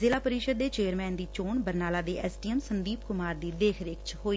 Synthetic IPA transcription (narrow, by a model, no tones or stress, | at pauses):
zɪlaːpəɾiːʃəd̪ːeːt͡ʃeːəɾmɛ̃ːnd̪iːt͡ʃoːɳbəɾnaːlaːd̪eːʔɛːsʈiːɛmsənd̪iːpkʊmaːɾd̪iːd̪eːkʰɾeːkʰt͡ʃhoːiː